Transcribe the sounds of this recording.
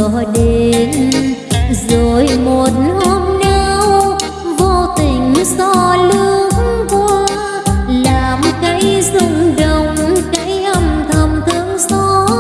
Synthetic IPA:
ɗe˧˩n | zo˨˩jmo˨˩t̚nʔɔ˧mnaː˧w | vo˧t̪ï˨˩ŋ̟sɔ˧˩lɨ˧ə˧əŋkwa˧ | laː˨˩mkaː˨˦jzʊ˧ŋ͡mɗə˨wŋ͡mka˧˦jʔə˧mt̪ʰə˨˩mt̪ʰɨ˧ŋsɔ˧˦˥

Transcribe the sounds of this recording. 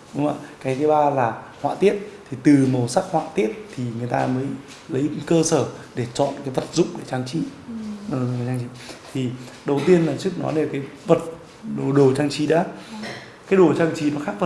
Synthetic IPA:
ɗʊ˨˦ŋ͡ma̰ː˧˨kaː˨˦jt̪ʰə˨˦ɓaː˧laː˨˩hwa̰ː˧˨t̪i˦˥ət̚t̪ʰi˨˩t̪ɨ˨˩mə˨˩wsa˦˥k̚hwa̰ː˧˨t̪i˦˥ət̚t̪ʰi˨˩ŋɨ˨˩əjt̪aː˧məː˨˦j | lə˨˦jkəː˧səː˧˩ɗe˧˩t͡ɕɔ̰˧˨nkaː˨˦jvə˨˩t̚zʊ̰˧˨ŋ͡mɗe˧˩t͡ɕaː˧ŋt͡ɕi˨˦˨ | a˨˩˦t͡ɕa˧ŋt͡ɕi˨˦t̪ʰi˨˩ɗə˨˩wt̪i˧ənlaː˨˩t͡ɕɨ˦˥ək̚nɔ̰˨˦ne˧˩kaː˨˦jvə˨˩t̚ | ɗo˨˩ɗo˨˩t͡ɕaː˧ŋt͡ɕi˨˦ɗa̰ː˨˦ | kaː˨˦jɗo˨˩t͡ɕaː˧ŋt͡ɕi˨˦nɔ˨˦xaː˦˥k̚fʰə˨˩

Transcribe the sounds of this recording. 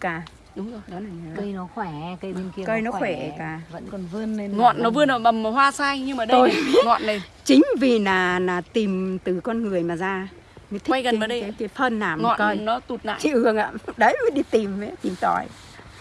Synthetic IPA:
kaː˨˩ | ɗʊ˨˦ŋ͡mjɗɔ˨˦na˨˩ɲə˨˦kə˧jnɔ˨˦xwɛ˧˩kə˧je˧ni˧kə˧jnɔ˨˦xwɛ˧˩˨kaː˨˩və̰˧˥nkɔ˨˩nvɨ˧ənːe˧ŋɔ̰˧˨nːɔ˨˦vɨ˧ənə˨˩ɓə˨˩mː˨˩hɦwaː˧saː˧ŋɲɨ˧ŋmaː˨˩ɗto˧jŋɔ̰˧˨nnə˨˩jt͡ɕï˨˦ŋ̟vi˨˩naː˨˩naː˨˩t̪i˨˩mt̪ɨ˨˩kɔ˧nŋɨ˨˩əjmaː˨˩zaː˧ | mə˨˦jt̪ʰi˦a˧jkə˨naː˨˩ɗə˧a˨˦jkaː˨˦jt̪ʰə˧nːaː˨˩mŋɔ̰˧˨ə˧˩˨nnɔ˨˦t̪u˨˩t̚na̰ː˧˨t͡ɕḭ˧˨ɨ˨˩əŋʔa̰ː˧˨ɗə˨˦jɨ˨˦ɗi˧˩t̪i˨˩mə˨˦t̪i˨˩mt̪ɔ˧˩j

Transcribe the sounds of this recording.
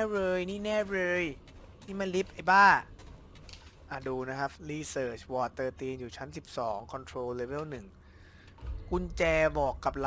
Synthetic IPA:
ɾɤː˧jniː˦˥˩nɛː˥˩ɾɤː˧j | niː˦˥˩ma˧˥nli˦˥p̚ʔa˨˩jbaː˥˩ŋ | ʔa˨˩duː˧na˦˥kʰa˦˥p̚liː˧˩sɤː˨˩t͡ɕʰwɔː˨˩t̪ːɤː˧t̪iː˧njuː˨˩t͡ɕʰa˦˥nsi˨˩p̚sɔː˩˦ŋkʰɔ˧nt̪ʰɾoː˧le˦˧˥be˥˩wnɯ˨˩ŋ | ku˧nt͡ɕɛː˧bɔː˨˩kːa˨˩p̚la˧

